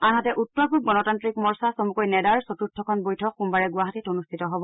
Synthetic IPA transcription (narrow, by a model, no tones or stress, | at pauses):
anɦatɛʔutːɔɹpʰub̚ɡɔnɔtantɹikmɔɹsasomukojnɛdaɹsotutʰːɔkʰɔnbojtʰɔkːumbaɹɛɡuaɦatitonustʰitɔɦɔbɔ